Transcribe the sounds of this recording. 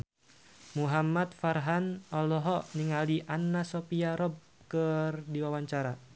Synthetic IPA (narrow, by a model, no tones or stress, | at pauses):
muɦamat̪̚farɦanɔlɔɦɔniŋaliʔanːasopiaɾɔb̚ | kərdiwawaɲt͡ʃaɾa